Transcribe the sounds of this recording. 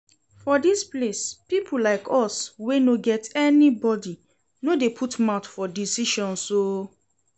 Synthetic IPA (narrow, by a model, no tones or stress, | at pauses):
fɔdisplespipʰulaɪkʰɔswenoɡɛtʰɛnibɔdi | nodepʰutmaʊtfɔdisiʃɔ̃nso